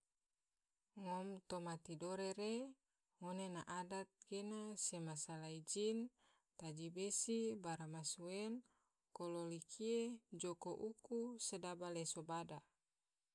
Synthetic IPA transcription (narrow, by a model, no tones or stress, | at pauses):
ŋɔmt̪omat̪idoɾeɾe | ŋonenaʔadat̪̚ɡenasemasalaid͡ʒin | t̪ad͡ʒibesibaɾamasuɛn | kololikʰied͡ʒokoʔukusedabalesobada